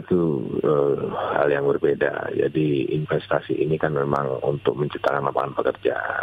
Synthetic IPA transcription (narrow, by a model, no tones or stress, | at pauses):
t̪uəha̰ljaŋbərbeda̰d͡ʒa̰diinfɛst̪asiʔinikanmemaŋṵnt̪ʊk̚məɲt͡ʃip̚t̪akanlampakanpəkərd͡ʒa̰